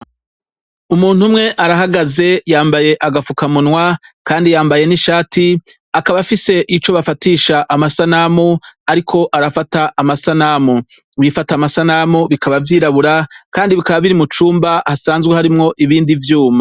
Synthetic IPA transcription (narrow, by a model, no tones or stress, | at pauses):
umuːn̥humŋe̞ʔaɾaɦaɡaze̞jaːmbaje̞ʔaɡafukamunwakaːndijaːmbaje̞niʃaːti | akaβafise̞ʔit͡ʃo̞βafatiːʃaʔamasanamuaɾikʰo̞ʔaɾafataʔːmasanamu | βifatamasanamuβikʰaβavjiːɾaβuɾakaːndiβikaβaβiɾimut͡ʃuːmbahasaːnzɡwehaɾimŋo̞ʔiβiːndivjuːma